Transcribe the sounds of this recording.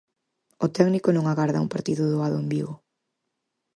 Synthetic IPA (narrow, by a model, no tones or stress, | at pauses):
ʊt̪ɛknikʊnõŋaɣaɾðɐ̰ṵmpaɾt̪iðʊðoaðʊembiɣʊ